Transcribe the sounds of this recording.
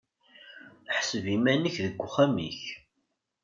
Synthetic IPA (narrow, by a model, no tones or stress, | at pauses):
ħə̥səvimænəçðəɡʷːʊχæmḭç